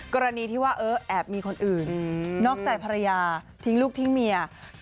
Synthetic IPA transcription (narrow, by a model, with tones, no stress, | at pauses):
kɔː˧ɾa˧niː˧t̪ʰiː˥˩waː˥˩ʔɤː˦˥ʔɛː˨˩p̚miː˧kʰo˧nʔɯː˨˩nnɔː˥˩k̚t͡ɕaː˨˩jpʰa˧ɾa˧jaː˧ | t̪ʰi˦˥ŋluː˥˩k̚t̪ʰi˦˥ŋmi˧ɐ